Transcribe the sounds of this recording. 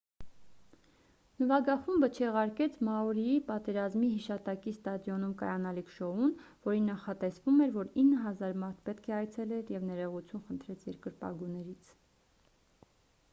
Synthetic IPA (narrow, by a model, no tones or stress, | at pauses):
nəvɑɡɑχumbət͡ʃʰɛʁɑɾkɛt͡sʰmɑuɾiipɑt̪ɛɾɑzmiɦiʃɑt̪ɑkist̪ɑd̪jɔnumkɑ̰jɑnɑlikʰʃɔunvɔɾinːɑχɑt̪ɛsvumɛɾvɔɾinːəɦɑzɑɾmɑɾt̪ʰpɛt̪kʰɛɑjt͡sʰɛlɛɾjɛvnɛɾɛʁut͡sʰjunχənt̪ʰɾɛt͡sʰjɛɾkəɾpɑ̰ɡunɛɾit͡sʰ